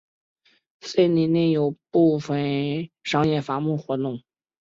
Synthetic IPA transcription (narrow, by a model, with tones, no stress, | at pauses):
swe˥˩ɪni˧˥˩nɛ˥˩jo˨˩ʊpu˥˩fə˨˩nʂɑ˥˧ŋjɛ˥˩fa˧˥mu˥˩xwɔ˧˥t̪ʊ˥˩ŋ